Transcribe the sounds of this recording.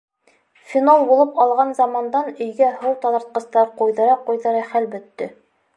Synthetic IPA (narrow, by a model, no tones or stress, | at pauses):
fʲinolˠbulˠɤpɑlˠʁɑnzɑmɑnd̪ɑnɵ̆jɡæhɤwt̪ɑnɑɾt̪̚qɤ̆st̪ɑɾqujðɤ̆ɾɑqujðɤ̆ɾɑχælbɵ̆t̪ːɵ